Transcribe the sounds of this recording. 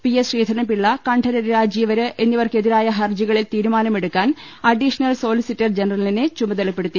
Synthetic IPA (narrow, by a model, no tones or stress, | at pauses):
pijesriːd̪ʱɐnɐmpiɭːɐkɐɳɖʰʱɐɾɐɾɾaːd͡ʑjijɐʋɐɾɨʔe̞nːiʋɐrke̞ðiɾaːjɐɦɐrd͡ʑiɣɐɭilt̪iːɾumaːnɐme̞ɽukːaːn | ɐɖiʂɐnɐlso̞ːlisitːɐrd͡ʑenɐrɐlinɨt͡ɕumɐðɐlɐpːe̞ɽut̪ːi